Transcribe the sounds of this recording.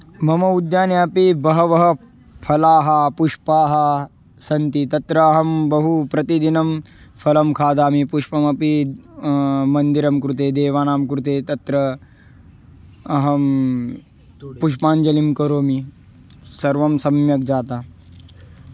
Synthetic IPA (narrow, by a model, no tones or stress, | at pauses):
mɐmɐud̪jaːnjaɐpibɐɦɐʋɐɦɐ | pʰɐlaːɦɐpuʂpaːɦɐ | sɐnt̪it̪ɐt̪ɾɐːɦɐmbɐɦupɾɐt̪id̪inɐm | pʰɐlɐmkʰaːd̪aːmipuʃpɐmɐpi | mɐnd̪iɾɐmkɾut̪eːd̪eːʋaːnaːmkɾut̪eːt̪ɐt̪ɾɐ | ɦɐm | puʃpaːnd͡ʒɐlimkɐɾoːmi | sɐɾʋɐmsɐmjɐk̚d͡ʒaːt̪aː